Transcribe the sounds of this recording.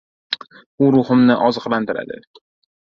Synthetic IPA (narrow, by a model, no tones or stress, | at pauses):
ʊɾʊχɨmnɪʔɒzɨqlˠant̪ʰɪɾa̰d̪ɪ̰